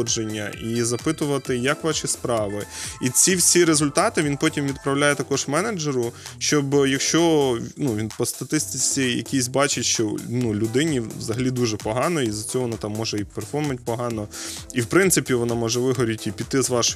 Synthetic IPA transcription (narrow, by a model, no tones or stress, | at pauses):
d͡ʒenʲːɐ̰izɐpɪt̪ʊʋɐt̪ɪjɐkʋɑʃispɾɑʋɪit͡sʲiwsʲiɾezʊlʲt̪ɑt̪ɪʋʲinpɔtʲimʋʲid̪̚pɾɐwlʲajɛt̪ɐkɔʒmɛned͡ʒeɾʊʃt͡ʃɔbjɐkʃt͡ʃɔnuʋʲinpɔst̪ɐt̪ɪst̪ɪt͡sʲijɐ̰kʲisʲbɑt͡ʃɪtʲʃt͡ʃɔ̰nulʲʊd̪ɪnʲiʋzɐɦɐlʲid̪uʒɛpɔɦɑnɔizɐt͡sʲɔɦɔʋɔnɑt̪ɑmːɔʒɛipɛrfɔrmɐnʲt̚ʲpɔɦɑnɔiwpɾɪnsɨpʲiʋɔnɑmɔʒɛʋɪɦɔɾʲitʲipʲit̪ːɪzʋɑʃɔ